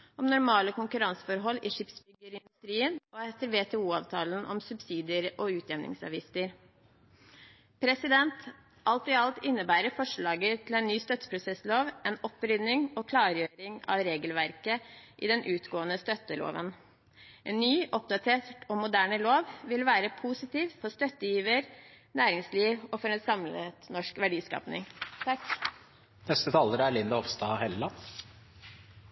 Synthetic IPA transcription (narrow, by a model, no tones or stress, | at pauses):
ɔmnʊɾmɑːləkʊŋkʉɾɑnsfɔɾɦɔlːiʂɪpsbʏɡːəɾɪnd̪ʉst̪ɾiːənɔɛt̪ːəɾʋeːt̪ʰɛːuːɑːʋt̪ʰɑːlən̩ɔ̰msʉbsiːd̪ɪəɾɔʉːt̪ʰjɛʋnʔɪ̰ŋsɑ̰ʋiːsəɾ | pʰɾɛsɪd̪ɛnt̪ | ʔɑlt̪ɪɑlt̪ɪnːəbæːɾəfɔʂɭɑːɡət̪ʰɪlɛnnːyːst̪œt̪ə̥pʰɾʊsɛsloːʋɛnɔpːɾʏd̪nɪŋɔkʰlɑːɾjøːɾɪŋɑ̰ʋɾeːɡəlʋæɾkəʔḭd̪ɛnʔʉːt̪ɡoːənəst̪œt̪ːəlo̰ːʋə̰n | ʔeːnːyːʔɔpd̪ɑt̪ʰeːʈoːmʊd̪æːɳəloːʋʋɪlʋæːɾəpʰuːsɪt̪iːʋfɔɾst̪œt̪ːəjiːʋəɾnæːɾɪŋsliːʋɔfɔɾɛnsɑmlət̪nɔʂkʋæɖiːskɑ̰ːpnɪ̰ŋt̪ʰɑk | nɛst̪ət̪ʰɑːləɾæɭɪnd̪ɑɔʋst̪ɑːhɛlːɑ